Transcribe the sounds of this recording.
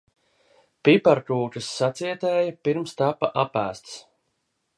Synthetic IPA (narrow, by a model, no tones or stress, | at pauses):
pipaɾkɾuːkɨsːat̪siɛt̪ɛːjapiɾmst̪apaʔapæ̰ːst̪s